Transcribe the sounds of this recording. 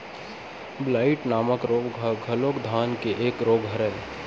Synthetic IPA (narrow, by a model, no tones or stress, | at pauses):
blaːɪʈnaːməkɾoːɡɡʱəloːkd̪ʱaːnkeʔeːkɾoːɡɦɐɾəl